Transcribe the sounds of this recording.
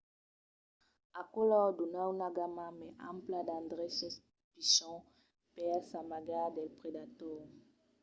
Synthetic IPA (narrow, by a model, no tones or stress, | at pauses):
akolɔdunawnaɡamãmɛʔã̰mplad̪ãnd̪ʁɛsɔs | piʃɔ̃ | pɛʁsamaɡad̪ɛlpʁedat̪ɔːʁ